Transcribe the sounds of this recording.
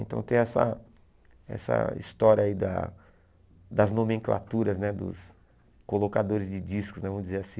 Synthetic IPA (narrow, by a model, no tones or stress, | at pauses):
ḛ̃nt̪ɐ̃w̃t̪ẽj̃ɛsɐ̰ | ɛ̰sɐ̰ḭst̪ɔɾiɐaid̪ɐ̰ | d̪ɐznomẽŋkla̰t̪uɾɐznɛd̪ʊ̰s | kolokad̪oɾɪzd͡ʒɪd͡ʒiskʊznɛvɐ̃mʊd͡ʒizeɾasĩ